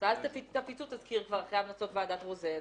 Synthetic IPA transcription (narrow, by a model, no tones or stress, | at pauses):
vazt̪afit̪afit͡sut̪azkiʁkvaʁχajavnat͡sotvead̪at̪ʁoze